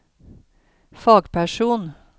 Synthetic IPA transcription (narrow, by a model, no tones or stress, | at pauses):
fɑːɡpʰæʃuːn